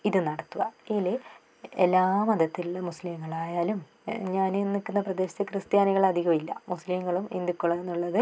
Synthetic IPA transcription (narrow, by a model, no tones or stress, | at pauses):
iðɨnɐɽɐt̪ːuʋɐile | elːaːmɐd̪ɐt̪ːiluɭːɐmuslimŋːɐɭaːjaːlum | ɲaːnenːikːunːɐprɐd̪e̞ːɕɐt̪ːɨkrɨst̪jaːniɣɐɭɐd̪ʱiɣɐmilːɐ̰muslimŋːɐɭumḛnd̪ikːoɭɐenːuɭːɐðɨ